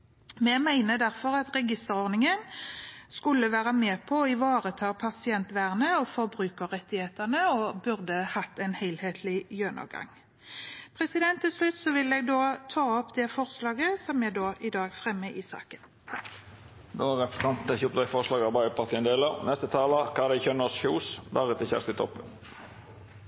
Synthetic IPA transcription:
mɛɡmæɪnəd̪æʁfɔɾɑt̪ʁɛɡɪst̪əʁɔʁd̪nɪŋənskʉlːəʋæːʁəmeːpʰɔɪʋɑːʁət̪ʰɑːpʰɑsɪɛnt̪ʋæːʁənəɔfɔʁbɾʉːkəʁɛt̪ːɪheːt̪əʁnəɔbʉʁd̪əhɑt̪ːɛnhæɪlheːt̪ʰlɪjønɑ̰ɡɑ̰ŋ | pʰʁɛsɪd̪ɛnt̪ːɪlslʉt̪ːsɔʋɪlːɛɡ̚d̪oːt̪ʰɑːɔpd̪ɛfɔʁslɑːɡəsɔmæd̪oːʔɪd̪ɑːɡfʁɛmːəʔɪsɑ̰ːkən | d̪oæʁɛpt̪ɑnt̪nɛçuːpd̪ɛfɔʁslɑːɡɑʁbɑɪəpʰɑʁt̪ʰiːənd̪eːləʁnɛst̪ət̪ʰɑːlɑkʰɑːd̪ɛɪçœnəsçuːsb̪æʁət̪ɪçæ̰st̪ɪt̪ʰɔ̰pːən

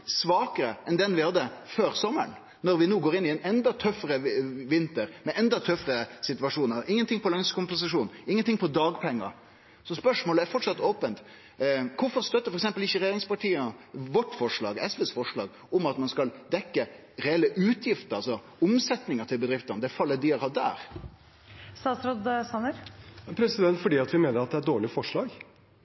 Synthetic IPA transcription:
sʋɑːkəɾəʔɛnd̪ɛnʋɪhɑd̪ːəføːɾsɔmːəɳ | nɔɾʋɪnuːɡoːɾɪnːɪɛnɛnd̪ɑt̪ʰœfːəɾəʋɪnt̪əɾmɛʔɛnd̪ɑt̪ʰœfɾəsɪt̪ʋɑʂuːnəɾɪŋːənt̪ɪŋpɔlɑŋskʊmpʊs̬ɪʂuːnɪŋːənt̪ɪŋpʰɔd̪ɑːɡpʰɛŋːə̰ɾ | sɔspœʂmoːləæɾfɔʈːʂɑt̪ːoːpənt̪ | kʰʊɾfɔɾst̪œt̪ːəɾfɔɾɛks̬ɛmpəlɪçːəɾɛjeːɾɪŋspɑʈʰiːənʋɔʈːfɔʂɭɑ̰ːɡɛsʋesfɔʂɭɑ̰ːɡ | ɔmɑt̪mɑnskɑld̪ɛkːə | ɾɛɛlːəʔʉːt̪ʰjɪft̪əɾɑlsɔ | ʊmsɛt̪nɪŋəʈ̪ʰɪlbəd̪ɾɪft̪ənəd̪ɛfɑlːəd̪iːəɾhɑd̪æ̰ːɾ | st̪ɑːt̪sɾoːd̪sɑnəɾpʰɾɛsɪd̪ɛnt̪fɔɖiːɑt̪ʋɪmeːnəɾɑt̪̚d̪ɛæɖoːɭɪfɔʂɭɑːɡ

